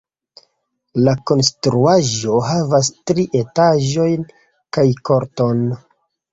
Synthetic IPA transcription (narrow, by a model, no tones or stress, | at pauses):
lako̞nstɾuaʒo̞ɦavas̬tɾiʔe̞taʒo̞jn | kajkoɾto̞n